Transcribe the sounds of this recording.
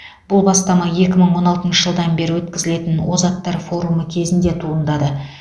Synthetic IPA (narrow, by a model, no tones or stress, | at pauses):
b̥ʊlˠbɑst̪ɑmɑje̞kʲɪməɴwo̞nɑlˠt̪ənʃəʒəlˠd̪ɑnbe̞ɾɪwɵt̪kʲɪzɪle̞t̪ɪnwo̞zɑt̪ːɑɾfo̞ɾuməkʲʰe̞zɪnd̪e̞t̪ʰuənd̪ɑd̪ə